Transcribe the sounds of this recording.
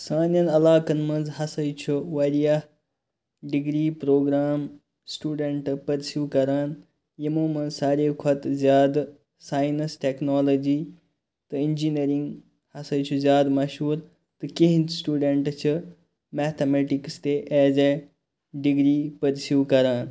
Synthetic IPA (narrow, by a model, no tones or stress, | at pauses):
saːnjɐnɐlaːkɐnmɐ̃nd͡zɦɐsɐjt͡ʃʰuʋɐɾijah | ɖiɡɾiːpɾoːɡɾaːm | sʈuːɖeɳʈpɐɾsjuːkɐɾaːn | jimũːmɐ̃nsaːɾeːkʰɐt̪zʲjaːd̪ | saːjnɐsʈeːknoːlod͡ʒiː | t̪ɨind͡ʒineɾiŋɡ | hɐsɐjt͡ʃʰuzʲjaːd̪mɐʃɦuːɾ | t̪ɨkiɦnsʈuːɖeɳʈt͡ʃʰɨ | meːt̪ʰemeːʈikst̪eːʔɛːzeː | ɖiɡɾiːpɐɾsjuːkɐɾaːn